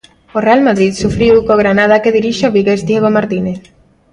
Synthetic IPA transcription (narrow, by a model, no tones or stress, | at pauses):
orealmaðɾit̪sufɾiwkoɣɾanað̞akeðiɾiʃeoβiɣezd̪jeɣ̞omaɾt̪ineθ